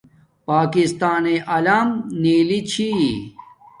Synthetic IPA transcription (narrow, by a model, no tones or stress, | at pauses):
paːkist̪aːneʔɐlaːmniːlit͡ɕʰi